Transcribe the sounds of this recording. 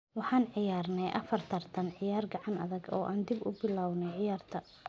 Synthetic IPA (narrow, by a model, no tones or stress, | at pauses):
wɑħɑːnʕɪjaːrnɛjʔɐfɐrt̪ʰɐrt̪ʰɐnʕɪjaːrɡɑʕɑnɐðɐɡɔ̰ːʔaːnd̪ibʊ̰bɪlaːwnɛʕɪjaːrt̪ʰɐ